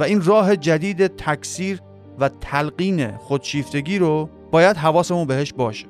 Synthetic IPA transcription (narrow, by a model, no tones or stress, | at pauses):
væiːnrɒːɦe̞d͡ʒæd̪iːd̪e̞t̪ʰækʰsiːɾ | væt̪ʰælɢiːne̞̰xod̪̥ʃiːft̪e̞ɡʲiːɾo | bɒːjæd̪ɦævɒːsemuːnbeheʃbɒːʃe̥